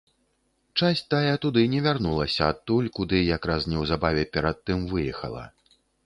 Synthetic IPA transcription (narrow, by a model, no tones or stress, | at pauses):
t͡ʂasʲt̪ajɛt̪ud̪ɨnʲɛvʲarnulˠɐsʲɐːt̪ːulʲkud̪ɨjakɾasnʲɛwzabavʲɛpʲɛɾat̪ːɨmvɨjɛxɐ̰lˠɐ̰